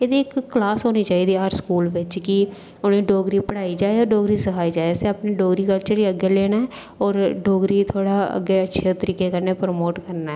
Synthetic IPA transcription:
eːd̪iːɪkːlaːsɦoːniːt͡ʃaːiːd̪iːɦəɾskuːlʋɪt͡ʃkɪ | ʊnẽːɖoːɡɾiːpəɽaːiːd͡ʒaːeɔːɾɖoːɡɾiːsəkʰaːiːd͡ʒaːeəseaːpneːɖoːɡɾiːkəlt͡ʃəɾiːəɡːeːleːnaɛː | ɔːɾɖoːɡɾiːt̪ʰoːɽaːə̰ɡeːətːʃʰeːt̪əɾiːkeːkəɾneːpɾmoːʈkəɾnaːɦɛː

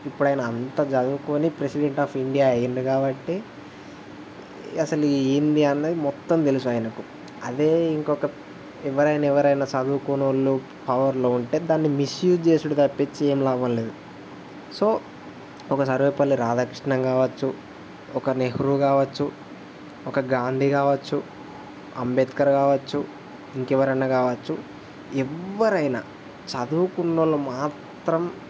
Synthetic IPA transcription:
ipːuɽɐjnɐːnt̪ɐd͡ʒɐd̪ukonipɾesiɖe̞ɳʈaːpiɳɖijaɐjindikaːbɐʈːi | ɐsɐlueːnd̪iɐnːɐd̪imɔt̪ːɐmt̪e̞lusuaːjɐnɐku | ɐd̪e̞ːiŋkɔkɐ | ɛʋɐɾɐjnɐɛʋɐɾɐjnɐt͡ʃɐd̪uːkonulːu | pɐʋɐɾlo̞ːuɳʈe̞ːd̪aːnːimisjuːd͡ʒt͡ʃe̞ːsuɽut̪ɐpːet͡ʃːieːmlaːʋɐlleːd̪u | so̞ː | ɔkɐsɐɾʋeːpɐlːiɾaːd̪ʱakɾiʂɳɐŋɡaːʋɐt͡ʃːu | ɔkɐneɦɾukaːʋɐt͡ʃːu | ɔkɐɡaːnd̪ʱikaːʋɐt͡ʃːu | ɐmbed̪kɐɾɐkaːʋɐt͡ʃːu | iŋkɛʋɐɾɐnːakaːʋɐt͡ʃːu | ɛʋːɐɾɐjnɐ̰ | t͡ʃɐd̪uʋkuɳːɐlumaːt̪ɾɐm

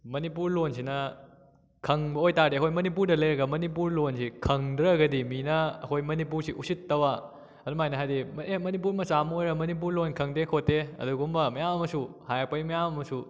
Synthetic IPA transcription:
mɐnipuɾlonsinɐ | kʰɐŋbɐojtaɾdeɐkʰojmɐnip̬uɾdɐlɐjɾɐɡɐmɐnip̬uɾlonsikʰɐŋdɾɐɡɐdiminɐɐ̰kʰojmɐnip̬uɾsiʔusitːɐwa | ɐdumajnɐɦajdimemɐnip̬uɾmɐsamɐojɾɐmɐnip̬uɾlonkʰɐŋdekʰotːeɐ̰duɡumbɐmɐjamɐmɐsuhajapɐjmɐjamɐmɐsu

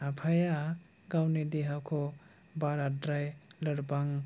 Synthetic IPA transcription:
apʰaja | ɡawnidiɦawkʰɔ | baɾadɾajləɾbaŋ

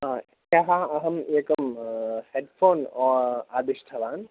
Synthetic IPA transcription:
a | jɐɦaɐɦɐmeːkɐmheɖfʰoːnɔːaːd̪iʃʈʰɐʋaːn

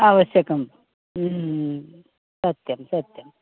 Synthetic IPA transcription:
aʋɐsjɐkɐm | sɐt̪jɐmsɐt̪jɐm

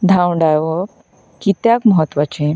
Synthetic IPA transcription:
d̪ʱãwɳɖajʋək | kit̪jakməɦət̪ːʋat͡ɕẽ

